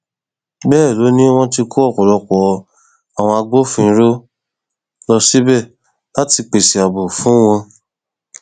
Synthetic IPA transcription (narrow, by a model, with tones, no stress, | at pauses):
bɛː˦˨lo˨˦nĩ˦w̃ɔ̃˧ti˧kʰo˦ɔ˦˨kɔ˨lɔ˧kɔ˨˧ | a˨w̃ɔ̃˧a˧ɡ͡bo˦fĩ˧˦ɾo˦ | lɔ˧si˦bɛ˦˨ | la˨˦ti˧k͡pe˨si˨a˨bo˨fũ˨˦w̃ɔ̃˧